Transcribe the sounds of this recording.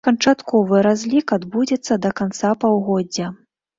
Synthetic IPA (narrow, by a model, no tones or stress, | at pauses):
kɐnt͡ʂat̪kɔvɨɾazʲlʲikad̪bud͡zʲɛt̪sːɐd̪ɐkant̪sapawɣɔd͡zʲɐ